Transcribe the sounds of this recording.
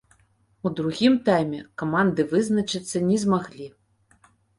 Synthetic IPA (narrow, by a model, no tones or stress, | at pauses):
ud̪ɾuɣʲimt̪ajmʲɛkɐmand̪ɨvɨznɐt͡ʃɨt̪sːɐnʲɛzmaɣlʲi